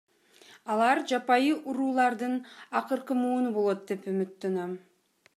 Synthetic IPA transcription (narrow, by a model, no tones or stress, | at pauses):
ɑlˠɑɾd͡ʒɑpɑjɯʔuɾuːlˠɑɾd̪ɯnɑqɯɾqɯmuːnubolˠo̞t̪̚d̪e̞pymyt̪ːønøm